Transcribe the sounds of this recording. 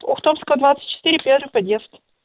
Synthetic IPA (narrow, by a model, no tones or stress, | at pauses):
ɔxt̪omskəəd̪vat̪sɨ̥t̚ʲt͡ɕːɪ̥t̪ɪɾʲɪpʲɛrvɨxpɐd̪ʲjestʲ